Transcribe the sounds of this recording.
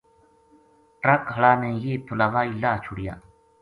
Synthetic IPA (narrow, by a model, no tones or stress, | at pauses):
ʈɾəkɦəɭaːnẽːjeːt̪ʰʊlaːʋaːiːlaːt͡ʃʰʊɽija̰ː